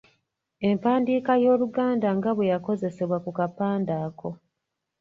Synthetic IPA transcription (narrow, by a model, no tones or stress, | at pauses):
e̞mpaːndiːkajo̞ːluɡaːndaŋɡaβwe̞jako̞ze̞se̞βwakukapaːndaːko̞